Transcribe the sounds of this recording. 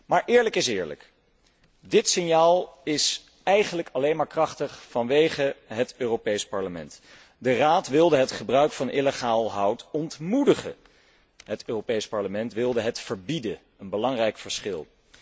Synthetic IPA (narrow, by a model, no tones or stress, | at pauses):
maːɹʔɪːɹləkɪsɪːɹlə̰k | dɪtsɪnjaːlˠɪs | ɛjχənləkɑlejnmaːɹkrɑχtəχfɑnʋejχəɦətøːropejspɑɹləmɛ̰nt | dəraːtʋɪlˠdəɦətχəbrœɥkfɑnʔɪləχaːlˠɦʌwtɔntmudəχə̰ | ɦətøːrowpejspɑɹləmɛntʋɪlˠdəɦətfəɹbidə | ənbəlɑŋrɛjkfəɹsχɪlˠ